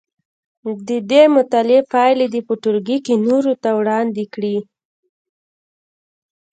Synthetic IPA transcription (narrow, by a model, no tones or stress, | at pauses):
d̪əd̪emʊt̪ɑlepɑjled̪əpəʈʊlɡikinoɾot̪awɽɑnd̪ekɽi